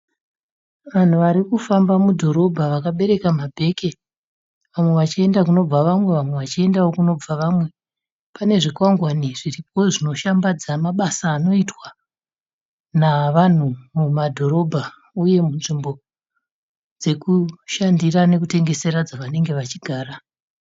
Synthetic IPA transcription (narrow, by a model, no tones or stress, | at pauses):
ʋan̤uʋaɾikufambamudʱo̞ɾo̞bʱaʋakaɓe̞ɾe̞kamabʱe̞ke̞ | ʋamwe̞ʋat͡ʃie̞ndakuno̞b͡vaʋamwe̞ʋamwe̞ʋat͡ʃie̞ndawo̞kuno̞b͡vaʋamwe̞ | pane̞ʐikwaŋɡwaniʐ̥irip̚o̞ʐino̞ʃambad͡zamaɓasaːno̞itwa | naʋan̤umumadʱo̞ɾo̞bʱa | uje̞munʐimbo̞ | d͡ze̞kuʃandirane̞kute̞ŋɡe̞se̞ɾad͡zaʋane̞ŋɡe̞ʋat͡ʃiɡʱaːɾa